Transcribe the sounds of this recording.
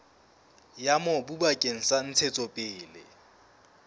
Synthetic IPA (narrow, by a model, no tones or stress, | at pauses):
jamɔbubakʼeŋ̩san̩t͡sʰet͡sʼɔpʼɪːlɪ̰